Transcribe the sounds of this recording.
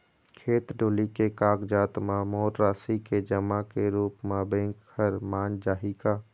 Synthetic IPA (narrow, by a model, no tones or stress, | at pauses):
kʰeːt̪ɖoːlikekaːɡd͡ʒaːt̪mãmɔːɾɾaːsiked͡ʒəmakeɾuːpmãbẽːŋkkʰəɾmaːnd͡ʒaːɦikaː